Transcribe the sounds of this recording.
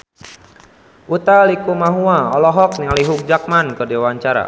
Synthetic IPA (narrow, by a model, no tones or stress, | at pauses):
ʔut̪alikumaɦuaɔlɔɦɔk̚niŋaliɦuk̚d͡ʒak̚mankədewaɲt͡ʃaɾa̰